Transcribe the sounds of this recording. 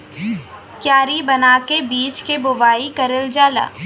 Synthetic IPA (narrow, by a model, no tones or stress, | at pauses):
kjaːɾibɐnaːkebiːt͡ʃkebʊbaːikɐɾəld͡ʒaːla̰ː